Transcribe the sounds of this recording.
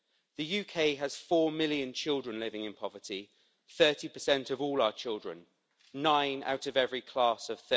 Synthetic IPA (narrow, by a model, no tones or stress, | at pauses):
ðəjʉːkʰeɪəz̥fɔːmɪljə̃nt͡ʃʰɪlˠdɹə̃nlɪvɪ̃ŋɪ̃npʰɒvətʰi | θɜˑtipəsɛ̃ntəvɔːlaʊət͡ʃʰɪlˠdɹə̰̃nː | ãɪ̃na̰ʊtəvɛvɹikʰl̥ɑˑsəv̥θ